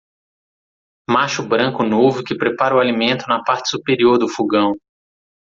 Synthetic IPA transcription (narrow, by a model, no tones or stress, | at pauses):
maʃʊbɾɐ̃ŋkʊnovʊkɪpɾepaɾɐʊalimẽnt̪ʊnɐpaɾt͡ʃɪ̥supeɾioɾd̪ʊfuɡɐ̃w̃